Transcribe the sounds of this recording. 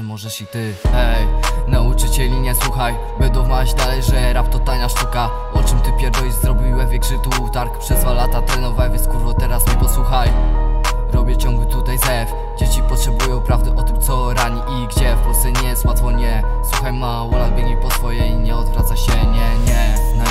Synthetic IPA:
mɔʐɛʂit̪ɘɛjnaut͡ʂɨt͡ɕɛlʲiɲɛswuxaj | bɛnd̪ɔ̃w̃maɕd̪alɛjʐɛɾap̚t̪ɔt̪aɲaʂt̪uka | ɔt͡ʂɨmt̪ɘpʲjɛɾvɔjzɾɔbʲiwɛvʲjɛkʂɘt̪ut̪aɾkpʂɛzd̪valat̪at̪ɾɛnɔvawɛvʲjɛnskuɾvɔt̪ɛɾasmɛpɔswuxaj | ɾɔbʲjɛft͡ɕɔ̃ŋɡlut̪ut̪ajzɛf | d͡ʑet͡ɕipɔtʂɛbujɔ̃w̃pɾavd̪ɘʔɔt̪ɘmt̪sɔɾaɲiʔiɡd͡ʑɛfpɔlsɛɲɛswat̪fɔɲɛswuxajmawɔlad̪bʲilʲipɔsfɔjɛiɲɛɔd̪vɾat̪saɕɛɲɛɲɛn

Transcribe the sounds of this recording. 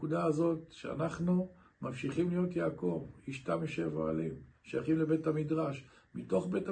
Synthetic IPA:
udaazo̞tʃea̰naχnu | mamʃiχimlijo̞tjaːko̞viʃtamiʃeva̰alimʃejaχimlebe̞tamidʁaʃ | mito̞χbe̞ta

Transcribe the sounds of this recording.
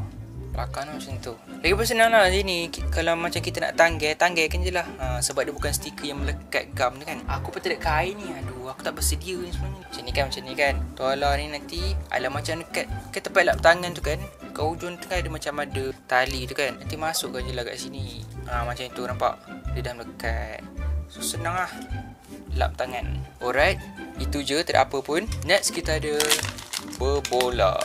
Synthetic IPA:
la̰kanumat͡ʃant̪u | laɡipəs̬ənaŋlasiniikalamat͡ʃamkit̪əna̰ʔt̪aŋɡɛt̪aŋɡɛkand͡ʒəlahəmsəbat̪̚diəbukansə̥t̪ikəjaŋmələka̰t̪̚ɡamt̪ukanakupət̪ədaʔkainiaduaku̥t̪aʔbərsədiəjaŋsəmuaɲəmat͡ʃanikanmat͡ʃanĩkant̪ualanĩnant̪ia̰lamat͡ʃamdəkat̪̚kat̪əpat̪̚laʔbət̪aŋant̪ukankaud͡ʒʊnt̪uŋadəmat͡ʃamadət̪alit̪ukanːant̪imasʊʔkand͡ʒəlaɡa̰ʔsiniamat͡ʃamit̪unampa̰ʔdədahmləkat̪̚sosənaŋlah | la̰m̚t̪aŋanɔɾajt̪̚it̪ud͡ʒət̪əda̰ʔapəpʊnnɛkskit̪əadə | bəbola̰ʔ

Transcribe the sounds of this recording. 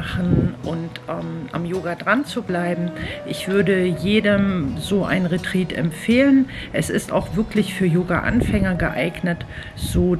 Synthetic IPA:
χn̩ʔʊntʔɛːmʔa̰mjoːɡadʁant͡sublaɪbm̩ʔɪçv̥ʏɐdəjeːdəmzoːʔa̰ɪnʁetʁ̥iːtɛ̰mfeːlənʔɛsɪsta̰ʊxv̥ɪɐklɪçfyːɐjoːɡaʔa̰nfɛŋəɡəʔaɪɡnət | z̥oː

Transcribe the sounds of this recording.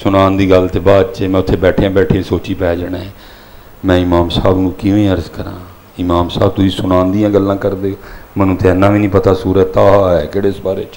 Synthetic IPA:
sʊnaːnd̪iːɡəlt̪eːbaːd̪t͡ʃeːmɛ̃ːʊt̪ʰːeːbɛːʈʰeãːbɛːʈʰeãːsoːt͡ʃiːpɛːd͡ʒəɽaːeː | mɛ̃ːɪmaːmsaːbnũːkɪĩːəɾzkəɾã̰ː | ɪmaːmsa̰ːbt̪ʊsĩːsʊnaːnd̪ijãːɡəlːãːkəɾd̪eːmənũːt̪ʰːeːənːãːʋiːnĩːpət̪aːsuːɾət̪aːɦːɦɛːkeːɽeːsbaːɾḛːt͡ʃ

